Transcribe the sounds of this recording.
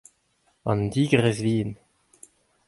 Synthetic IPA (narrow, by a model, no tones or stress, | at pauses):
ɑ̰nd̪iːɡəʁɛzviːn